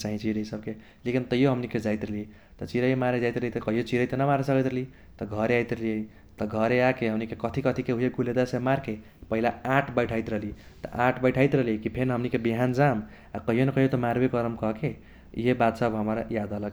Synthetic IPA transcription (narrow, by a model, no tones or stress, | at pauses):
t͡ʃaɦĩt͡ʃʰiɾʌjsʌb̚ke | lekint̪ʌjoɦʌmniked͡ʒajt̪ɾʌli | t̪ʌt͡ʃiɾʌjmaɾed͡zajt̪ɾelit̪ʌkʌɦijot͡ʃiɾʌjt̪ʌnʌmaɾesʌkʌt̪eli | t̪ʌɡʱʌɾeajt̪ɾʌlie | t̪ʌɡʱʌɾeakeɦʌmnikekʌt̪ʰikʌt̪ʰikeɦujeɡuled̪asemaɾke | pʌɦilaaʈʰbʌjʈʰajt̪ɾʌli | t̪ʌ̰ʔãʈʰbʌjʈʰajt̪ɾʌliekipʰeɾnɦʌmnikebiɦand͡zam | akʌɦijonekʌɦjot̪ʌmaɾbekʌɾəmkʌkḛ | jebat̪sʌbɦʌmʌɾjad̪ʌlʌk